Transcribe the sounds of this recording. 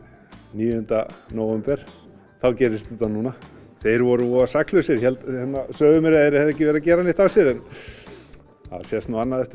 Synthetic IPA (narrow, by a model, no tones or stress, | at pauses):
niːjʏhʏnt̪anoːwvɛmpɛɾ̥ | θawcɛːɾɪst̪ɪt̪anuːna | θejɾvɔɾʏvɔasaklœsjɛɾçɛlt̪hɛnːasœːðʏmɛɾɪɛɾɛðɛhc̬ɪvɛːɾacɛːɾanːɪθawsjɛɾɛn | a̰ðsjɛst̪naanːaðɛft̪